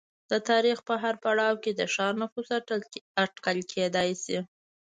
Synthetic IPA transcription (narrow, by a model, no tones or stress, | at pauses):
d̪̥ət̪ɑɾixpəɦaɾpaɽɑwked̪əʃɑɾnafusaʈkəlkʰed̪ɑjsi